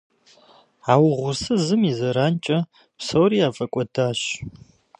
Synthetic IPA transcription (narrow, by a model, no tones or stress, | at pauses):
aːwʁʷʊrsɨzɨmizɐɾaːnt͡ʃʼɐ | psowɾiːaːfʼɐkʷʼɔdaːɕ